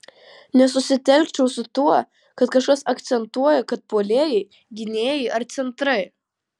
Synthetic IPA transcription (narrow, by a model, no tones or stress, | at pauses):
nʲɛs̬ʊsʲɪt̪ʲɛlʲkt͡ʃʲɛʊsʊt̪uɔ | kɐt̪kɐʃkɐsɐkt̪sʲɛnt̪uɔjɛkɐt̪̚poːlʲeːjɛɪ | ɡʲɪnʲeːjɛɪʔɐɾt̪sʲɛnt̪ɾɐɪ